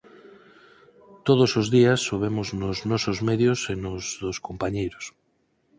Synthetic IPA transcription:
t̪oð̞osozðiasːoβ̞emʊznʊznɔsozmɛðjosenʊzðoskompaɲejɾʊs

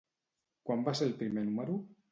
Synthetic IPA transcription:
kwambaseɾelpɾimenumeɾu

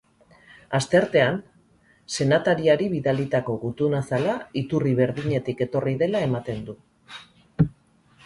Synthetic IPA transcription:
ast̪e̞ɾt̪e̞an | se̞nat̪aɾiaɾiβiðalit̪ako̞ɣut̪unasalait̪uriβe̞ɾðiɲe̞t̪ike̞t̪o̞riðe̞lae̞mat̪e̞nd̪u

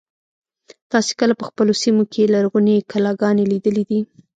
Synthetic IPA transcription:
t̪ɑse̥kəlapəxpəlosimokʰelaɾɣunekalɑɡɑnelid̪əlid̪i

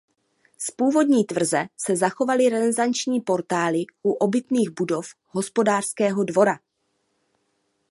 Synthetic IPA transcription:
spuːvo̞dɲiːt̪vr̩zɛsɛzaxo̞valɪɾɛzɛzant͡ʃɲiːpo̞ɾt̪aːlɪʔuʔo̞bɪt̪niːɣbudo̞f | ɦo̞spo̞daːr̥skɛːɦo̞dvo̞ɾa

